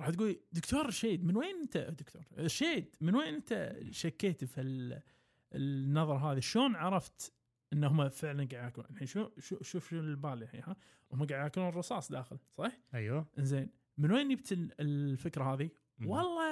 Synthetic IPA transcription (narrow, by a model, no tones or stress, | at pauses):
ɾɑːħt̪ɡuːld̪ʊkt̪oːɾˤʃeːd̪mɪnweːnʔɪnt̪ad̪ʊkt̪ʰo̰ːɾˤʃeːd̪mɪnweːnʔɪnt̪a̰ʃakːeːt̪fil | nːɑðˤɑɾˤɑɦaːðiʃloːnʕɑɾˤɑft̪ | ʔɪnːhʊmːafɪʕlanɡaʕd̪jakuːnʔalħiːnʃuʃuʃuːfʃuːnɪlbaːljaħḭːha | hʊmːaɡaʕd̪jakluːnrˤɨsˤɑːsˤd̪aːxɪlsˤɑːħajwaʔɪnzeːn | mɪnweːnːib̚t̪ɪlfɪkɾahaːði | wɑlˤːɑ